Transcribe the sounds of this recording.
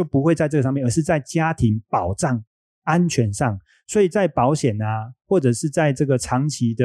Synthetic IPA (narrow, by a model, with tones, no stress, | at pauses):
t͡ɕjo˥˩ʊpu˧˥xwe˥˧ɪt͡sa˥˧ɪʈ͡ʂɤ˥˩ɡə˩ʂɑ˥˧jnə˧˦ʂɻ̩˥˧t͡sa˥˩ɪt͡ɕja˥t̪ʰi˧˥ŋpɑ˨˩ʊʈ͡ʂɑ˥˩ŋ | a˦nt͡ɕʰɥɛ˧˥nʂɑ˥˩ŋ | swɔ˧˥i˨˩t͡sa˥˩ɪpɑ˧˥ʊɕjɛ˨˩nɐ˨xwɔ˥˩ʈ͡ʂɤ˨˩ʂɻ̩˥˧t͡sa˥˧ɪʈ͡ʂɤ˥˩ɡə˩ʈ͡ʂʰɑ˧˦ŋt͡ɕʰi˧˦d̪ə˧